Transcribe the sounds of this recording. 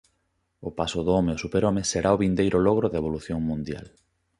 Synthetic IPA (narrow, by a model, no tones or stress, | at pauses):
ʊpasʊðoomeʊsupeɾomeseɾaoβind̪ejɾʔʊlɔɣ̞ɾʊðeβ̞oluθjoŋmũnd̪ja̰l